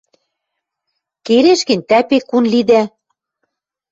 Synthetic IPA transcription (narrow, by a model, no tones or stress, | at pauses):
keɾeʃkɘ̆nʲt̪æpekunlid̪æ